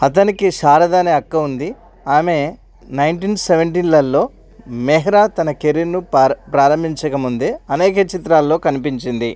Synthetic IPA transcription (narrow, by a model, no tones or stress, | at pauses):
ɐt̪ɐnikiʃaːɾɐd̪aːniɐkːɐund̪i | aːme̞ | nɐjnʈiːnseʋeɳʈ̬iːnlɐlːo̞ː | meɦɐɾaːt̪ɐnɐkeɾiɾnupɾaːɾɐmbʱiɲt͡ʃɐkɐmund̪eːɐnɛːkɐt͡ʃit̪ɾaːlːo̞ːkɐnipiɲt͡ʃind̪i